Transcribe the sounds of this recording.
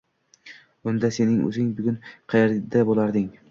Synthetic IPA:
ʊnd̪ase̞nɪŋɵ̰zɪŋbʊɡʲʊnqʰɑjeɾd̪abolˠaɾd̪ɪŋ

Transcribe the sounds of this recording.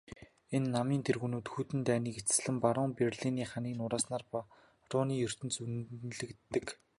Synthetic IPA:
enːamiːnt̪ʰerɣuːnuːt̪xut̪ɘ̆nt̪æːniːket͡sɘ̥̆sɮɘ̆mpaɾʊːŋperɮiniːχaniːnʊɾaːsnaːrp | rʊːniːjɵr̥t̪ɘ̆nt͡sunɮɘ̆kt̪ːɘ̆k

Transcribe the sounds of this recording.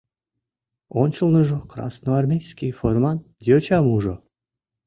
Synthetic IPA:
onʲt͡ɕəlˠnoʐokɾɑ̰snoarmʲejskʲijformɑnd̪ʲiot͡ɕɑmuʐo

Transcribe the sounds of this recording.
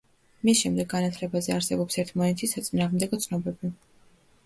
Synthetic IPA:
misʃɛmd̪ɛɡːanat̪ʰlɛbazɛaɾsɛbɔpsɛɾt̪ʰmɔnɛt̪ʰisat̪sʼinaːʁmd̪ɛɡɔt̪sʰnɔbɛbi

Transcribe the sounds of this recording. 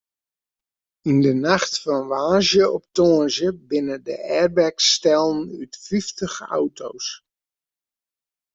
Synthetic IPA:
indənaχtfɔnʋaːzjəɔp̚toənzəbɪnədəʔɛːrbɛkstɛlˠnytfiftəχa̰wtʰo̰ws

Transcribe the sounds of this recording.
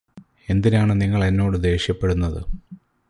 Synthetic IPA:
e̞nd̪inaːɳɨniŋːɐɭenːo̞ːɽɨd̪e̞ːɕjɐpːe̞ɽunːɐðɨ̰

